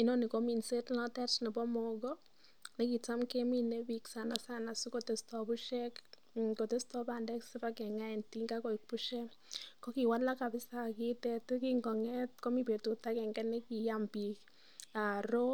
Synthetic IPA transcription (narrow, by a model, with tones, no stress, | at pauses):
i˦no˦ni˨ko˦mi˨nse˦tnɔ˦tɛ˦t͡ʃni˨bɔ˦mɔɡɔ˦ | ne˦ki˨t͡sa˦mke˦mi˨nebiksa˨na˨sana˨su˦ko˨te˨stɔ˨pu˦ʃɛk | ko˨te˦stɔ˦pa˨ndɛ˦ksipakɛ˨ŋa˦ɛ˨nti˦ŋɡa˦ko˨ik̚pu˦ʃɛ˦ | ko˦ki˨wa˦la˦ka˨bɪ˦sa˦ki˦tɛ˦tu˦kiŋɡɔ˨ŋɛ˦t̚ko˦mi˦pe˨tu˨ta˦kɛ˨ŋɡɛ˦ne˦ki˨jampi˨k | a˨ɾo˦